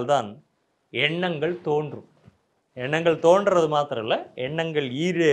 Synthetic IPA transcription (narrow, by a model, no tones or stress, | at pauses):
lt̪aːn | ɛɳːɐŋɡɐɭt̪oːndrɯ | ɛɳːɐŋɡɐɭt̪oːnɖrɐðɯmaːt̪ɪɾɐ̃ɪlːɐɛɳːɐŋɡɐɭiːɾe